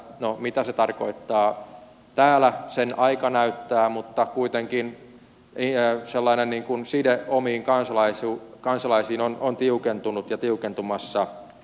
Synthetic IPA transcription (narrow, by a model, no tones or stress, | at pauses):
nomit̪æset̪ɑrkoit̪ːɑː | t̪æːlæsenɑikɑnæyt̪ːæːmut̪ːɑkuit̪eŋkin | iselːɑinenniːŋkunsideomiːŋkɑnsɑlɑisukɑnsɑlɑisiːnonont̪iukent̪unut̪jɑt̪iukent̪umɑsːɑ